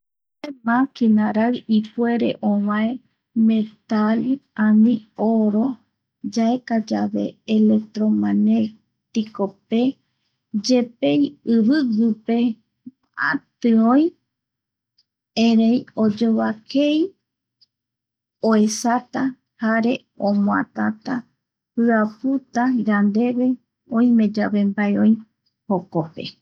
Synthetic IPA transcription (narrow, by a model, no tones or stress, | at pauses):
temãkinaɾaɰifwe̞ɾḛʔõβãe | mẽt̪aliãnĩoɾo | d͡ʒaekad͡ʒaβḛːlek̚t̪ɾomane | t̪ikope | d͡ʒepejɨβɨɡɨpe̞ | a̰t̪ɨõj | ẽɾejod͡ʒoβakej | oesat̪a | haɾe̞ | õmõa̰t̪at̪a | pɨaput̪aɾand̪e̞βe̞ | õĩmẽ̞d͡ʒaβe̞mbaeõj̃ | hokope̞̰